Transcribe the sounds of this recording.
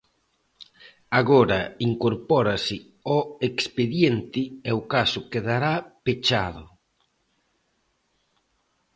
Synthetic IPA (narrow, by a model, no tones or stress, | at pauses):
aɣoɾaiŋkoɾpɔɾasɪ | ɔekspeðjent̪ɪɛokasʊkeðaɾapet͡ʃaðʊ